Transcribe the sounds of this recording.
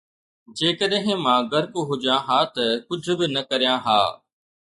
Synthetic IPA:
d͡ʑeːkəɗɦɪ̃mãɡɐɾkuɦʊʄjãɦaːt̪ɐkʊd͡ʑʱʊ̆bɪnɐkɐɾijãːɦa̰ː

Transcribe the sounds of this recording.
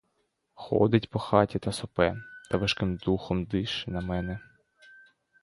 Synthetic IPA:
xɔ̰d̪ɪtʲpɔxɑtʲit̪ɐsɔpɛt̪ɐʋɐʃkɪmd̪uxɔmd̪ɪʃɪnɐmɛnɛ

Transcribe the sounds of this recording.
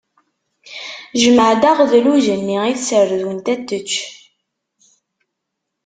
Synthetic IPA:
ʒəməʕd̪aʁðluʒənːiiθsərðwənt̪æt̪ːət͡ʃː

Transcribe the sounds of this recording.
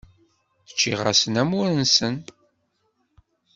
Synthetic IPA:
θə̥t͡ʃːiʁa̰sənæmʊɾənsən

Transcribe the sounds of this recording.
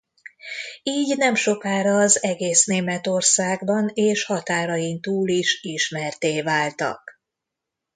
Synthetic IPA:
iːɟnɛmʃo̞kaːɾɒːzɛɡeːsneːmɛt̪o̞rsaːɡbɒneːʃhɒt̪aːɾɒjint̪uːliʃiʃmɛrt̪eːvaːlt̪ɒ̰k

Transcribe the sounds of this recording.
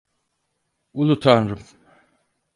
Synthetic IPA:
ulˠut̪ʰanɾɯm

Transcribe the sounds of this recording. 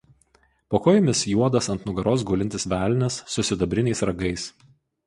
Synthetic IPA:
poːkoːjmʲɪsjuɔd̪ɐsɐnt̪nʊɡɐɾoːs̬ɡʊːlʲɪnʲt̪ʲɪsʋʲæːˑlʲnʲɛsːʊsʲɪd̪ɐbʲɾʲɪnʲɛɪsɾɐɡɐɪs

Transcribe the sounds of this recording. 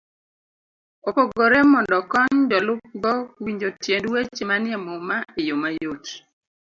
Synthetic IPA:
opoɡoɾɛmɔndɔkɔɲdɔlʊp̚ɡɔwiɲd͡ʒotjendwet͡ʃemanɪamɔmaejomajot

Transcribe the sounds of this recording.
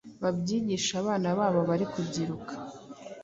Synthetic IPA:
βabɟiːɟiʃaβaːnaβaːβo̞βaɾikubɟiɾukʰḁ

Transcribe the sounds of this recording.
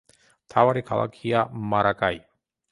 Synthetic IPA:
t̪ʰawaɾikʰa̰la̰kʰijamaɾakaj

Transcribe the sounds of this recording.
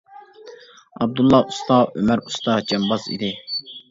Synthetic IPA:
ɑb̚d̪ulˠːɑust̪ɑʔømæɾust̪ɑd͡ʒɑmbɑzḭd̪ɪ

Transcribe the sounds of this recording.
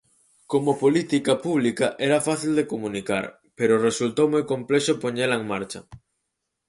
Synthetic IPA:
komopolit̪ikɐpuβ̞likaʔɛɾɐfaθild̪ekomũnika̰ɾ | peɾoresult̪owmojkomplɛʃopoɲɛlɐeŋmaɾt͡ʃɐ

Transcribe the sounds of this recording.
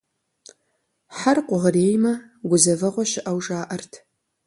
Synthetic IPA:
ħarqʷʊʁəɾeːjmɐɡʷʊzɐvɐʁʷɔʃɪʔɐwʒʼaːʔɐrtʰ

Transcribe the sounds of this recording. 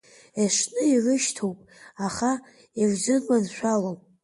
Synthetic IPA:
eʂnɨirɨʃtʰowpʼaχa | erzɨnmanʃʷᶣalom

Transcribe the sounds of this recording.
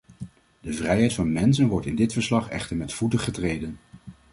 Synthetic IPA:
dəvrɛjɦɛjtfɑnmɛnsənʋɔɹtɪndɪtfəɹslɑχɛ̰χtəɹmɛtfutəχətrejdən

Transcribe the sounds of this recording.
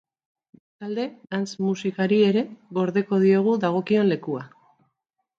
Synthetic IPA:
be̞st̪ald̪e̞ant͡smusikaɾie̞ɾe̞ɣo̞ɾðe̞ko̞ð̞io̞ɣ̞uðaɣ̞o̞kio̞nle̞kua

